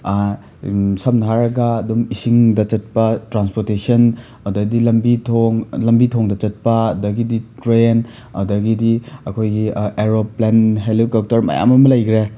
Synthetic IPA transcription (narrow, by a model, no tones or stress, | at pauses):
sɐmnʰaɾɐɡɐːdumisiŋdɐt͡ʃɐt̚pɐtɾanspoɾtesiɐn | ɐdɐɡdilɐmbitʰoŋlɐmbitʰɔŋdɐt͡ʃɐt̚pɐːdɐɡiditɾen | ɐ̰dɐɡidiɐkʰojɡieɾoplenɦelokap̚tɐɾmɐ̰ja̰mɐmɐlɐjkʰɾe